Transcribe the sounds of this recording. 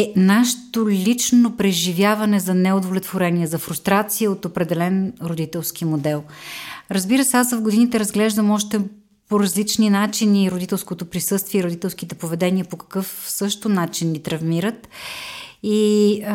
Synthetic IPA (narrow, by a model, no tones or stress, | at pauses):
ɛnaʃt̪olʲit͡ʃnopɾɛʒivʲjavɐnɛzɐnɛod̪ovlɛt̪voɾɛniɛzɐfɾust̪ɾat̪siəot̪opɾɛd̪ɛlɛnɾod̪it̪ɛlˠsk̟imod̪ɛlˠɾɐzbiɾəsɛasvɐvɡod̪init̪ɛɾɐzɡlɛʒd̪əmɔʃt̪ɛ | poɾɐzlit͡ʃninat͡ʃiniɾod̪it̪ɛlˠskot̪opɾisɤst̪viɛiɾod̪it̪ɛlˠsk̟it̪ɛpovɛd̪ɛniəpokɐ̥kɤfsɤʃt̪onat͡ʃinːit̪ɾɐvmiɾət̪ | i